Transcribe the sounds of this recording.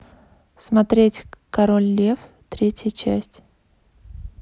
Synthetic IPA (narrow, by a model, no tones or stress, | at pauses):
smɐt̪ɾʲetʲkɐɾolʲːef | t̪ɾʲetʲjət͡ɕæ̰sʲtʲ